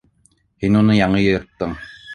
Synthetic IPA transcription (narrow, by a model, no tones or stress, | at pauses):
hinunɤjɑɴɤjɤ̆ɤ̆ɾt̪ːɤɴ